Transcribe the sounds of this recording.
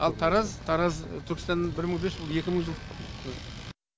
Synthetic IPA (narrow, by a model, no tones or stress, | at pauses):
ɑlˠt̪ʰɑɾɑzt̪ʰɑɾɑzt̪ʰʏɾkɪst̪ɑnːɑnbɪɾməɴbesbʊlˠje̞kʲɪməɴʒəlˠ